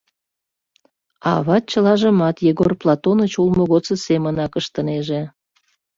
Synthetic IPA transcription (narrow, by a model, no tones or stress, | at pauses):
ɑ̰βɑt̪̚t͡ɕəlɑʒəmɑt̪jeɣorplˠɑt̪onət͡ɕulmoɣot͡səsemənɑkəʃt̪əneʒe